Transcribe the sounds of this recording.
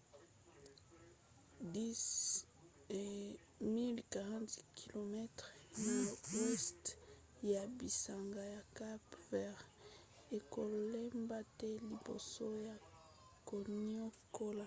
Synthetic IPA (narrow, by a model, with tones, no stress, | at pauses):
di˦s | mi˦lka˨ʁã˦ntkʰi˨lo˨mɛ˦tʁna˨wɛ˦st | ja˨bi˨sa˨ŋɡa˨ja˨ka˦bvɛ˦ʁ | e˨ko˨le˦mba˦tɛ˦li˨bo̰˨so˦ja˨ | ko˨no˦ko˦la˨